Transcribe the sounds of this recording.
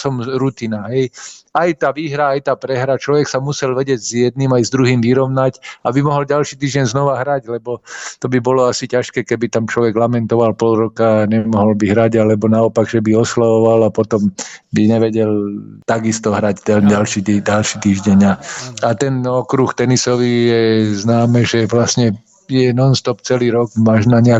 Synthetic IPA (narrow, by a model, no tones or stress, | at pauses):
sɔmɾut̪inaɦɛjajt̪aːʋiːɦɾaajt̪aːpɾɛɦɾat͡ʃlɔʋɛksamusɛlʋɛɟɛɟzjɛd̪̚nimajzd̪ɾuɦiːmʋiɾɔʊnacabimɔɦɔlɟalʃiːt̪iːʒɟɛɲznɔʋaɦɾaɟlɛbɔt̪ɔbibɔlɔasicaʃkɛːkɛbit̪amt͡ʃlɔʋɛɡlamɛnt̪ɔʋalpɔlɾɔkaɲɛmɔɦɔlbiɦɾaɟalɛbɔnaɔpaɡʒɛbiɔslaʋɔʋalapɔt̪ɔmbiɲɛʋɛɟɛlt̪aɡist̪ɔɦɾaɟt̪ɛalʃit̪idalʃiːt̪iːʒɟɛɲaat̪ɛnɔkɾuxt̪ɛnisɔʋijɛznaːmɛʒɛʋlasɲɛ | jɛnɔnst̪ɔpt͡sɛliːɾɔɡmaʒnaɲɛa